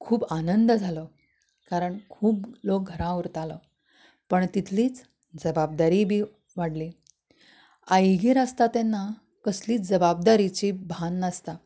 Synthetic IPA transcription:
kʰuːbanənd̪d͡zʱalɔ | kaɾəɳkʰuːblok̚ɡʱəɾãuɾt̪alɔ | pəɳt̪it̪ʰliːt͡s | d͡zəbab̚d̪aɾibʱiː | ʋaɽli | ajɡiɾast̪at̪enːa | kəsliːt͡sd͡zəbab̚d̪aɾit͡ɕibʱanːəst̪a

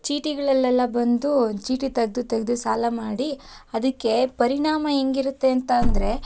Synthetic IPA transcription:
t͡ʃiːʈiɡɐɭɐlːɛlːɐbɐnd̪ut͡ʃiːʈit̪ɐɡd̪ut̪ɐɡed̪usaːlɐmaːɽi | ɐd̪ɐkːe̞pɐɾiɳaːmɐeŋɡiɾut̪ːe̞ɐnt̪ɐːnd̪ɐɾe̞

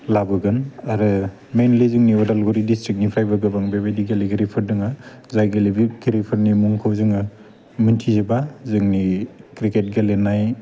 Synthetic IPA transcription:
labɯɡɯnaɾɯ | menlizɯŋniɔdalɡuɾidistɾik̚nipʰajbaɡɯbaŋbabajdiɡaliɡiɾipʰɯɾdɯŋa | zajɡalibɡiɾipʰɯɾnimuŋkʰawzɯŋa | mɯntʰizebazɯŋnikɾiket̚ɡalenːaj

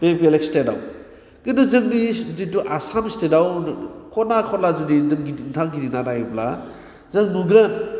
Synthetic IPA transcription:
bepeleksteda̰w | kinɔzɯŋdidituʔasamistedawkʰɔnakʰɔlazudintʰaŋɡidinadaibla̰ | zɯŋnuɡən

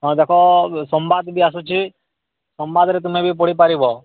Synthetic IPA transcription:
ɦɔ̃d̪ekʰɔsɔmbad̪bʱiasũt͡ʃʰi | sɔmbad̪ɾɛt̪̬ʊmẽbʱipoɽipaɾibʱɔ

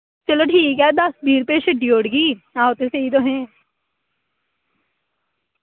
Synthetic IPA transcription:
t͡ʃɐloʈʰiːkɛd̪ɐsbʱiːɾpeʃɐɖioːɖɡiːãːɦoːt̪eseit̪̬oɦɛ̃ː

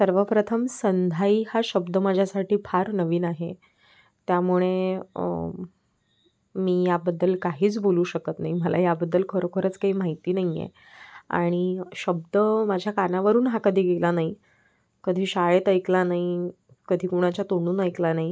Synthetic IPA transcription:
səɾʋəpɾət̪ʰəmsənd̪ʱaiːhaɕəbd̪əməd͡ʑʱjasaʈʰiːpʰaɾnəʋiːnaɦe | t̪jamuɭe | miːjabəd̪ːəlkaɦiːt͡sboluːɕəkət̪naiməlajabəd̪ːəlkʰəɾokʰəɾət͡skaɦiːmaɦit̪iːnaɦijḛ | a̰ɽ̃iɕəb̚d̪əmad͡ʑʱjakanaʋəɾuːnɦakəd̪ʱiːɡelanai | kəd̪ʱiːɕaɭet̪əjklanai | kəd̪ʱiːkuɽ̃at͡ɕat̪oɳuːnəjklanai

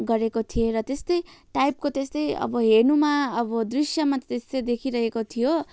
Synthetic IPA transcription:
ɡʌɾekot̪ʰijeɾʌt̪est̪ʌjʈajp̚kot̪est̪ʌjʌ̰bʌɦeɾnumaʌbʌd̪risjʌmat̪ʌt̪est̪ʌjd̪ekʰiɾʌɦekot̪ʰijo

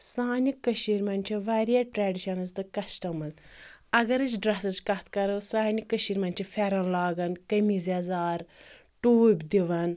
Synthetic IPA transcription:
saːnʲikːɐʃiːɾmɐnʲt͡ʃʰiʋaɾijaʈɾaːɖiʃɐnɐzt̪ɨkɐsʈɐmɐzɐɡɐɾɨt͡ʃɖɾɐsɐzkɐt̪kɐɾɐsaːnikːəʃiːɾmɐnʲt͡ʃʰifʰʲɛɾɐnlaːɡɐnkɐmizazaːɾ | ʈuːbʲd̪iʋɐn

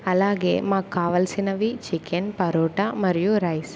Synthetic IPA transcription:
ɐlaːɡḛːmaːkːaːʋɐlsinɐʋit͡ʃikenpɐɾoːʈɐmɐɾijuɾɐjs

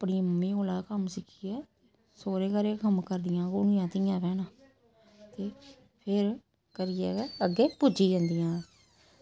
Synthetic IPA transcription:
pɳiːəmːĩːoːlaːkəmsɪkʰiːɛː | soːɾeːkəɾeːkəmkəɾd̪ɪjãːkʊnɪːãːt̪ɪjãːpɛːnãː | t̪eː | pʰɪɾ | kəɾɪːɛ̰ːɛəɡeːpʊd͡ʒiːd͡ʒə̃ːnd̪ɪjãː

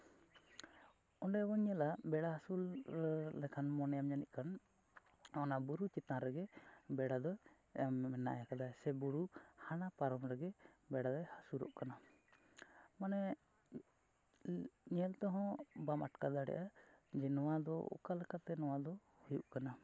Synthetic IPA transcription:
ɔɳɖɛbɔɲɛlabɛɽahasulɾɛlɛkʰanmɔnɛjamɲaniʔ̚ˀkan | ɔnabuɾut͡ʃit̪ãɾɛɡɛbɛɽad̪ɔ | mɛna̰ʔjakad̪asɛbuɾuhanapaɾɔmɾɛɡɛbɛɽad̪ɔhasuɾɔ̰ʔkana | manɛ | ɲɛlt̪ɔɦɔ̃bamaʈkad̪aɽɛ̰ʔad͡ʒɛnɔwad̪ɔ̰ṵkalɛkat̪ɛnɔwad̪ɔ | hujuʔkana

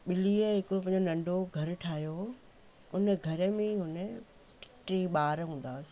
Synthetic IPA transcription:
ɓɪliːəɦɪkɾop̬ɐ̃ɦɲd͡ʑonɐ̃ɳɖoɡʱɐɾʈʰaːɦijo | ʊnə̆ɡʱɐɾə̆mẽɦʊnə̆ | ʈɪ̥ʈiɓaːɾɦũːn̆d̪aːs

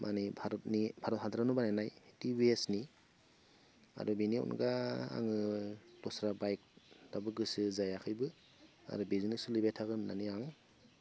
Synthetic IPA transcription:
mʔanibaɾɔt̚nibʱaɾɔt̚hadɾanubananajtiwesni | a̰ɾubiniɔ̰nɡaa̰ŋɯd̥ɔsɾabajk̚dabɯɡɯsɯzajakʰɯjbɯ | a̰ɾubizinɯsulibetʰːaɡɯnːaniaŋ

